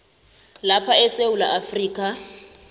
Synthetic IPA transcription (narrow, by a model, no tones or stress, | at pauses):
lapʰaɛseula̰ʔafriːkʼa